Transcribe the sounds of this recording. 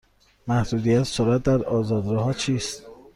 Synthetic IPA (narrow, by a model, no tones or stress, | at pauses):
mæhd̪uːd̪ijæt̪ʰsoɾæt̪̚d̪æɾɒːzɒːd̪ɾɒɦɒːt͡ʃʰiːst̪